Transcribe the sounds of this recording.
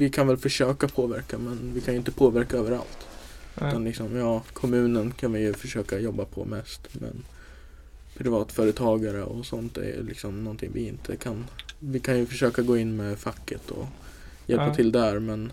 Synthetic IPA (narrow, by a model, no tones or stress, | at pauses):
vɪkʰanvɛlfœʂøːkapʰoːvæɾkamɛnvɪkʰanjɵɪnt̪əpʰoːvæɾkaøːvəɾa̰lt̪ʉt̪anlɪksɔmjɑːkʰɔmʉ̟ːnənkʰanvɪjɵfœʂøːkajɔbːapʰɔ̰mɛst̪mɛ̰ | pʰɾɪvɑːt̪fœːɾət̪ʰɑːɡaɾə̰ɔsɔnt̪̚d̪ɛ̰ɾjɵ̰lɪ̰ksɔmnɔnt̪ʰɪ̰ŋvɪ̰ɪnt̪ʰə̰kʰanvɪkʰanjɵfœʂøːkaɡoːɪnːmɛfakːət̪ʰɔ̰ | jɛlpat̪ʰɪld̪æɾmɛn